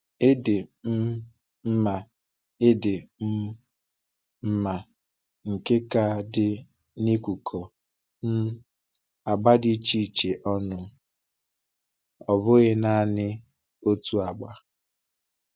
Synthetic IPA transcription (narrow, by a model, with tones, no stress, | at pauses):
e˦dɪ˨m̩˦ | m̩˦ma˨ | e˦dɪ˨m̩˦ | m̩˦ma˨ | ŋ̩˨ke˦ka˦˨dɪ˦ | ni˦kʷu˨kʰɔ˨ | n̩˦ | a˨ɡ͡ba˦di˦t͡ʃi˦˨t͡ʃe˨ʔɔ˦nʊ˨ | ɔ˨bʊ˦ɣɪ˦na˦a˨nɪ˦ | o˦tu˦a˨ɡ͡ba˨